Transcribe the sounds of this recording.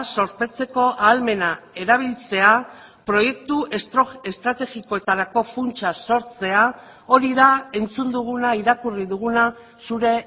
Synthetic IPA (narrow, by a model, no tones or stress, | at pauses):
so̞ɾpe̞t͡se̞ko̞ʔaːlme̞nae̞ɾaβ̞ilt͡se̞a | pɾo̞je̞kt̪uʔe̞st̪ɾoe̞st̪ɾat̪e̞ɣiko̞e̞t̪aɾako̞funt͡ʃaso̞ɾt͡se̞a | o̞ɾiðae̞nt͡sund̪uɣ̞unaiɾakuriðuɣuna | suɾe̞